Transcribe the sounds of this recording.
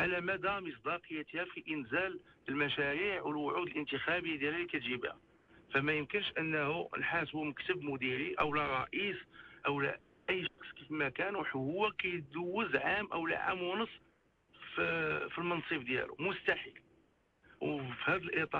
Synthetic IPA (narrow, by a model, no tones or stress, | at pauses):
ʕalæmæd̪æməsˤd̪ɑqəjːæt̪ihæfiʔənzæləlmæʃæɾiʕwəlwʊʕud̪əlʔənt̪əxæbəjːad̪jælælikæt̪ʒibhæ̰ | fæmæjəmkənʃʔənːəhunħasbuməkt̪əbmʊd̪iɾiʔəwlærˤɑ̰ʔisʔəwlæ̰ | ʔəjːʃɑqsˤkifmækænwħhʊwːækæjd̪uwːəzʕamʔəwl̰ʕa̰mwnəsˤː | ffilmɑnsˤəbd̪jæ̰lṵmʊst̪aħil | wfihæd̪əlʔit̪ˤɑ